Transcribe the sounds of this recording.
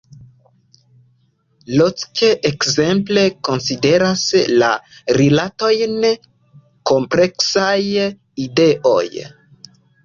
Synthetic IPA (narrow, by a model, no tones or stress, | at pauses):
lot͡skeʔekze̞mple̞ko̞nside̞ɾasla̰ɾilato̞jn | ko̞mple̞ksaj | ide̞ʔo̰j